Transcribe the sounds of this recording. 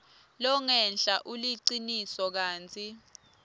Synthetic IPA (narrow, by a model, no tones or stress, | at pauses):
lɔŋɛnɬʼaʔuliǀinisɔk̬aːnt͡sʰʼi